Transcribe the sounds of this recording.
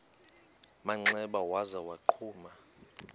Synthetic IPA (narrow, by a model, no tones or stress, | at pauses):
maŋ͡ǀɛɓawazawaǃʰuːma